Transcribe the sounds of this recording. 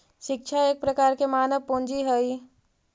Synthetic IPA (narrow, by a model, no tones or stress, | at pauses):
ʃɪk̚t͡ʃʰaeːk̚pɾəkaːɾkemaːnəʋpõnd͡ʒiɦəi